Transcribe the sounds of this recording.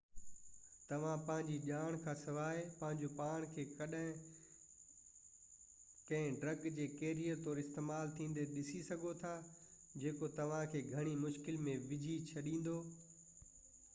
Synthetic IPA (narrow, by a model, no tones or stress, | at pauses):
t̪ɐʋ̤ãpɐ̃ɦɪ̃ɲd͡ʑiʄaːɽ̃kʰãːsɐʋaːepɐ̃ɦɪ̃ɲd͡ʑopaːɽ̃kʰeːkɐɗɪ̃ | kɐ̃ɦɪ̃ɖɾɐɡd͡ʑeːkeːɾiət̪ɔːɾɪst̪eːmaːlt̪ʰĩːn̆d̪eɗɪsisɐɡʱot̪ʰa | d͡ʑeːkot̪ɐʋ̤ãkʰeːɡʱɐɽ̃imʊʃkɪlmẽʋɪd͡ʑʱit͡ɕʰɐɗĩːn̆d̪oː